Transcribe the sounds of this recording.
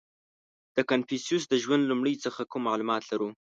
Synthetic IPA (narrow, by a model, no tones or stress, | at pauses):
d̪̥əkanfisjus̬d̪əʒwand̪lumɽəjt͡səxakumːɑlumɑt̪laɾu